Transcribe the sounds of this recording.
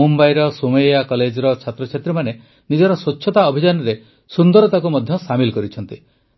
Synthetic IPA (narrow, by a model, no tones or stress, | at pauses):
umbajɾɔsumejakɔled͡ʒɾɔt͡ʃʰat̪ɾɔt͡ʃʰet̪ɾemane | nid͡ʒɔɾɔswɔt͡ʃːʰɔt̪aɔbʱid͡ʒanɔɾe | sund̪ɔɾɔt̪akumɔd̪ʱjɔsamilɔkɔɾit͡ʃʰɔnt̪i